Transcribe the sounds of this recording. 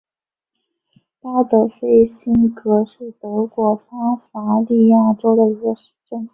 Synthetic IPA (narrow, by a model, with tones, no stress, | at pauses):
t̪a˥d̪ə˨˩fe˥˩ɪɕi˥nkɤ˧˥ʂɻ̩˥˩t̪ɤ˧˥kwɔ˧˥fa˥ŋfa˧˥li˥˧jɑ˥˩ŋʈ͡ʂo˥lə˨i˧˥ɡə˧˩ʂɻ̩˥ʈ͡ʂə˥˩ŋ